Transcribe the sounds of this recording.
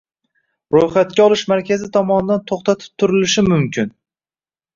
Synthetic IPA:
ɾojχat̪̚kʲaɒlˠɪʃmaɾkʲʰazɪt̪ʰɒmɒnɪd̪ant̪ʰoχt̪ʰat̪ʰɪ̥p̚t̪ʰʊɾɪlɪʃɪmʊmkʲɪn

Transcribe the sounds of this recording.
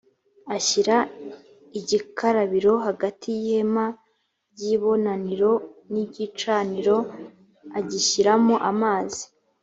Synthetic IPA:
aiɾa | iɟikʰaɾaβiɾo̞ɦaɡatʰijihe̞ma | ɟiβo̞naniɾo̞niɟit͡ʃaːniɾo̞ | aɟiçiɾamoʔamaːzi̥

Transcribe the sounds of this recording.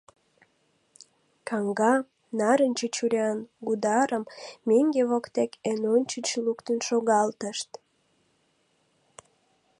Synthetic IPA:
kɑŋɡɑ | nɑɾənʲt͡ɕət͡ɕuɾʲjɑnɡud̪ɑɾəmmeŋɡeβokt̪ekʰenonʲt͡ɕət͡ɕlukt̪ənʃoɣɑlt̪əʃt̪

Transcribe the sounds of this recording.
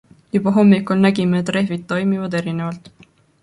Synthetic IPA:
jub̥ɑɦo̞mːikːˑulnæɡimeet̪ˑre̞ɦvit̪ːo̞jmivɑd̪e̞ɾine̞vɑlt̪ˑ

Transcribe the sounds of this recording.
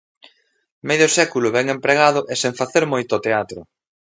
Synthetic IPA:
mejðosɛkulʊβɛŋempɾeɣaðʊʔeseɱfaθeɾmojt̪ʊɔt̪eat̪ɾʊ

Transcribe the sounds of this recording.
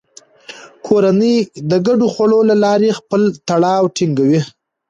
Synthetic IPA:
kʰoɾanəjd̪əɡaɖoxwaɭolalɑɾexpəlt̪aɽɑwʈiŋɡawi

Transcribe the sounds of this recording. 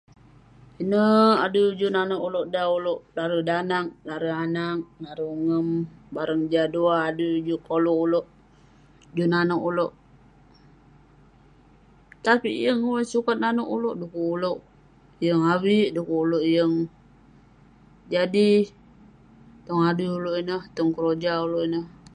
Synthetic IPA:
inəadud͡ʒunanoʔuloʔdauloʔlaɾədanak̚laɾəanak̚naɾəŋəmbaɾəŋd͡ʒaduaːdud͡ʒukolouloʔ | d͡ʒunanɔkuloʔ | t̪apḭʔjəŋuwasukat̪̚nanoʔuloʔdukuuloʔ | jəŋawiʔdukuuloʔjəŋ | d͡ʒadi | t̪ɔŋaduuloʔinəht̪ɔŋkəɾod͡ʒauloʔinəh

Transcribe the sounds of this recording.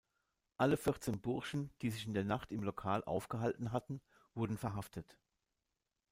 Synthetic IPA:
ʔaləfɪʁt͡seːnbʊɐʃn̩d̥iːzɪçɪndeːɐnaχtɪmlokʰaːlʔa̰ʊfɡ̥əɦaltn̩ɦatn̩ | v̥ʊɐdn̩fɛɐɦaftʰət

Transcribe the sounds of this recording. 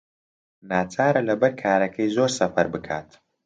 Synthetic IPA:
naːt͡sʰaːɾɐlɐbɐɾkʰaːɾɐkʰɐjzoːɾsɐfɐɾbɨkʰa̰ːt̪

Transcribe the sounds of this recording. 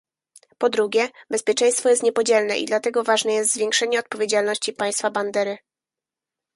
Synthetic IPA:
pɔd̪ɾuɡʲjɛbɛspʲjɛt͡ʂɛ̃j̃st̪fɔjɛst̪ɲɛpɔd͡ʑɛlnɛʔḭd̪lat̪ɛɡɔvaʐnɛjɛst̪zvʲjɛ̃ŋkʂɛɲɛɔt̪̚pɔvʲjed͡ʑalnɔɕt͡ɕipaj̃st̪faband̪ɛɾɘ

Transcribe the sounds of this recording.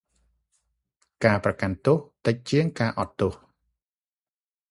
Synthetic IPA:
kaːprɑkant̪oht̪ɨc̚t͡ɕiəŋkaːʔɑt̪ːoh

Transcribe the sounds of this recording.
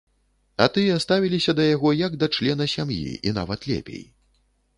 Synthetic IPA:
at̪ɨjɛast̪avʲilʲisʲɐd̪ɐjaɣɔjɐɡd̪ɐt͡ʂlʲɛnɐsʲamjḭʔin̪a̰vɐt̪lʲɛ̰pʲḛj

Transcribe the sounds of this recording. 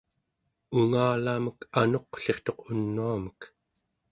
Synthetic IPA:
uŋaːlaməkano̞qɬe̞χt̪o̞qunːuamək

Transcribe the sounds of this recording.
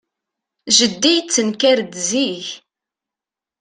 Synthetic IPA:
ʒəd̪ːijt͡sːənkæɾd̪ziç

